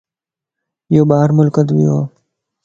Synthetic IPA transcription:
joːbaːɦɾmʊlkət̪ʋḭːɦoː

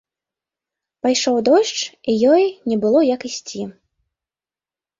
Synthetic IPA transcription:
pajʂɔwd̪ɔʂt͡ʂijɔjnʲɛbɨlˠɔjɐkisʲt͡sʲi

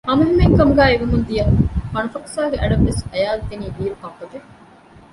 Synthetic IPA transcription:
hɐmuɦemeŋkɐmuɡæːeʋumund̪ijɐŋhɐnɐfɐksaːɡeʔæɖɐʋːesɐjaːld̪eniːdiːɾukɐpːɐɡe

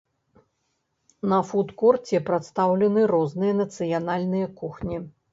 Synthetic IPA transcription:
nɐfut̪kɔrt͡sʲɛpɾat̪st̪awlʲɛnɨɾɔznɨjɐnɐt̪sɨjanalʲnɨjɐkuxnʲi

